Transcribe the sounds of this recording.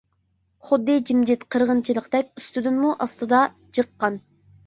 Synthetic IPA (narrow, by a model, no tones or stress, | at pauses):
χʊd̪ːɨd͡ʒimd͡ʒɪt̪qʰəɾʁənt͡ʃʰilˠəqd̪ɛk̚ʲyst̪yd̪ynmuʔɑst̪ɨd̪ɑ | d͡ʒəqːɑn